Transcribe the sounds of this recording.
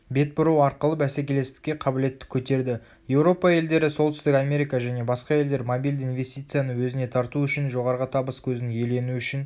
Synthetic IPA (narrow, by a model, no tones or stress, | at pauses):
be̞t̪̚bʊɾɑwɑɾqəlˠəbæsekʲʰe̞le̞st̪ɪ̥kʲːe̞qʰɑbɪle̞t̪ːɪ̥kʲʰɵt̪e̞ɾd̪ɪ | je̞wɾo̞pɑje̞ld̪e̞ɾɪso̞lˠt̪ʏ̥st̪ɪkɑmʲe̞ɾijkaʒæne̞bɑsqɑje̞ld̪e̞ɾmobʲijld̪invʲe̞st̪ijt̪sɨjanəwɵzɪne̞t̪ʰɑɾt̪uʏʃɪnʒo̞ʁɑɾəʁɑt̪ʰɑbəskʲʰɵznjele̞nuʏʃɪn